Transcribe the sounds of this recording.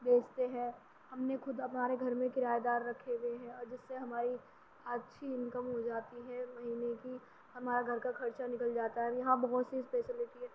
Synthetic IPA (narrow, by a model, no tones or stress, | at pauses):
d̪eːkt̪eɦɛ̃ | hɐmnexʊd̪ɐpnaːɾeɡʱɐɾmẽkɪɾaːjd̪aːɾːɐkʰːeɡeɦɛ̃ɔːɾd͡ʒɪsːeɦɐmaːɾi | at̪ːʃʰiɪnkəmɦod͡ʒaːt̪iɦɛmɐɦiːneki | hɐmaːɾaɡʱɐɾkakʰɐɾt͡ʃanɪkəld͡ʒaːt̪aɦɛjɐɦãbɐɦɔt̪sispeːsɪlɪʈiɦɛ